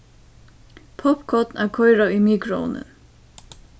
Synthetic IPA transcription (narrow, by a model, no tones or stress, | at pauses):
pʰɔpkʰɔt̪næɾkʰɔjɾaimiːkɾʊɔ̰nə̰n